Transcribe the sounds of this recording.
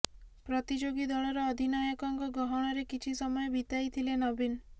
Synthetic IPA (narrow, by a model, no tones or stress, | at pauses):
pɾɔt̪id͡ʒoɡid̪ɔɭɔɾɔːd̪ʱinɔjɔkɔŋkɔɡɔɦɔɽ̃ɔɾekit͡ʃʰisɔmɔjɔbit̪ajt̪ʰilenɔbin